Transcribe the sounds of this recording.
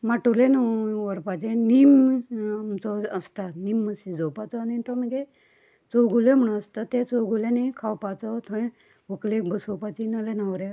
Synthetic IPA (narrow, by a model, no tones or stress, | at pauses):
maʈulenəʋəɾpad͡ʑenim | mt͡sɔəst̪animːəsid͡zɔwpat͡sɔnint̪ɔməɡe | t͡sowɡulem̤əɽũnəst̪at̪et͡sowɡulenekʰawpat͡sɔt̪ʰə̃ | uklekbəsopat͡ɕinalenaʋɾe